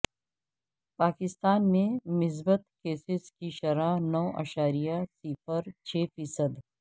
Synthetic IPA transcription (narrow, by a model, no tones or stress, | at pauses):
paːkɪst̪aːnmẽmɪs̬bət̪keːsɪskiʃɐɾaːɦnɔːʔa̰ːʃaːɾijasiːfəɾt͡ʃʰeːfiːsəd̪